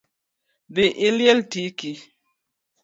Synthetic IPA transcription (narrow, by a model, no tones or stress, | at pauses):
biʔiljeltiki